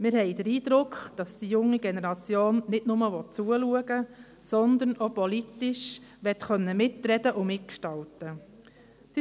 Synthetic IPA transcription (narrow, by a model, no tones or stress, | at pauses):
mɪɾhɛɪdəɾiːd̥̪ɾʊkχd̥ɑsd̥ijʊŋːiɡɛnɛɾɑt͡sjoːnnɪdnʊməʋɔt̚t͡suəluəɡ̥ə | sɔnd̪ənopɔlitɪʃ | ʋɛtχœnːəmɪtɾɛd̥əʔʊmɪt̚kʃtɑltə | si